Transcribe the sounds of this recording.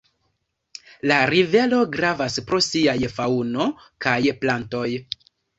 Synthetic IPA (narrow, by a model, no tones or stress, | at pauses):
laɾive̞lo̞ɡɾavaspɾo̞siajfauno̞ | kajplanto̞j